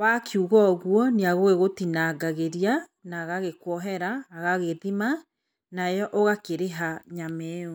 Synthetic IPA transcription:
wakʰiuɣɔɣwɔneaɣoɣeɣotinaɡaɣeɾianaɣaɣekwɔɦɛɾaːɣaɣeðima | najɔʔoɣakeɾeɦaɲamɛo

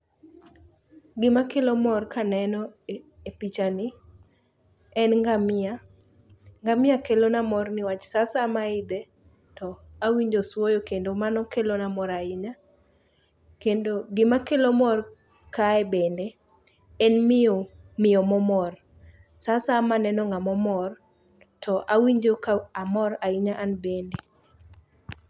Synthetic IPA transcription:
ɡɪmakelomɔrkanɛnɔ | epit͡ʃanɪ | ɛnŋɡamɪa | ŋɡamɪakelonamɔrnɪwat͡ʃsasamaɪd̪e | tɔawiɲd͡ʒoswojokendomanɔkelonamɔɾaɪɲa | kendoɡɪmakelomɔr | kaɛbende | ɛnmɪomɪɔmɔmɔr | sasamanɛnɔŋɡamɔmɔr | tʰɔʔawiɲd͡ʒokaamɔɾaɪɲaʔanbende

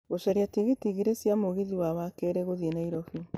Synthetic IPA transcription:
ɣoʃɛɾiatiɣitiɣiɾesjamoɣiðiwawakeɾeɣoðienaiɾɔfi

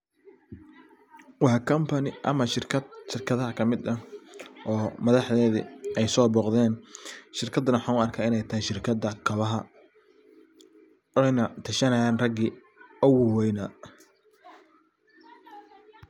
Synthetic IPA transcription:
wɑħkʰɐmpʰɐnɪʔɐmɐʃɪrʰɐd̪ʃɪrkʰɐðɐɦɐkʰɐmɪd̪ɐʔɔːmɐðɑħðɛːðɪ̰ʔɛjsɔːbɔːqðɛːnʃɪrkʰɐd̪ːɐnɐwħɑːnʊɐrkʰaːɪnɛjt̪ʰɐɦɛjʃɪrkʰɐd̪ɐkʰɐβɐɦɐ | ɛjnɐt̪ʰɐʃɐnɐjaːnrɐɡi | ʊwʊwɛjnɐ

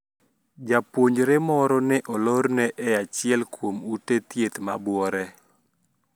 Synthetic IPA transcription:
d͡ʒapwoɲd͡ʒɾemɔɾɔnɪʔɔloɾnɛʔɛat͡ʃɪɛlkwomutet̪jet̪mabwɔɾɛ

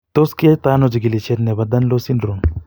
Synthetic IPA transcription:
t̪oskiɐt̪aːnod͡ʒiɡilit͡ʃʰet̪nebɐd̪ɐnlosinɾun

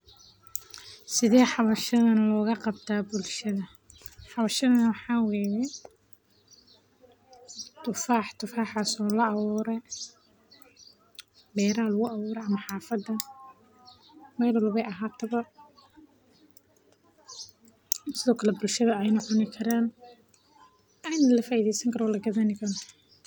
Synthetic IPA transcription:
sɪðɛːħɑβɐʃɐðɐnlɔːɣɐqɑbt̪ʰaːbʊlʃɐðɐ | ħɑβɐʃɐðɐnɐwɑħɑːwɛːjɛ | t̪ʰʊfaːħt̪ʰʊfaːħaːsɔːlɐɑβuːɾɛ | bɛːɾaːlʊɣʊɑβuːɾɛʔɐmɐħɑːfɐd̪ːɐ | mɛːlwɐlβɛjʔɐɦaːt̪ʰɐβɐ | sɪðɔːkʰɐlɛbʊlʃɐðɐɛjnɐʕʊnɪkʰɐɾaːn | ɐɪnɐlɐfaːiðɛjsɐŋkʰɐɾɔːlɐɡɐðɐnɪkʰɐɾɔ

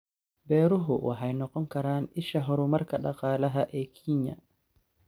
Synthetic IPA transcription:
bɛːɾuɦɔʔɔ̰ɦajnɔkɔŋkaɾaniʃaɦɔɾumaɾkaɗaqaːlaɦaʔɛkʰiɲa̰

